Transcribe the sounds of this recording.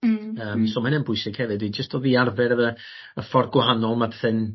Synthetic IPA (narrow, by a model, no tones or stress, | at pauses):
əːmsɔːmɛnənpʰʊɨsɪɡ̥hɛvɨdid͡ʒəstʰɔðiarvɛɾəə | əfɔrɡwaɦanɔlˠmapʰɛθɨn